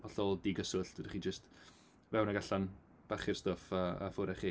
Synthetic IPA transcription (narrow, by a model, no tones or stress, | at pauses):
ɔɬɔlˠdiɡəsʊɬd̥diχid͡ʒəst | vɛwnaɡaɬan | b̥aχɪrstɔfaa̰fʊɾɛχiː